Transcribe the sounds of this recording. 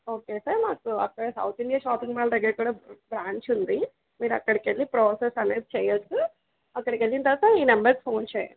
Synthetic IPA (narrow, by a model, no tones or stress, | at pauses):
oːkesɐɾmaːkuɐkːɐɽesɐ̰wt̪ʰiɳɖijaːʃaːpiŋɡmaːlt̪ɐɡekuːɽɐbɾaːɲt͡ʃund̪i | miːɾɐkːɐɽekelːipɾoːsesɐneːd̪̚t͡ʃejɐsu | ɐkːɐɽekelːint̪ɐsaiːnɐmbɐɾɡpʰoːnt͡ʃejɐ̰n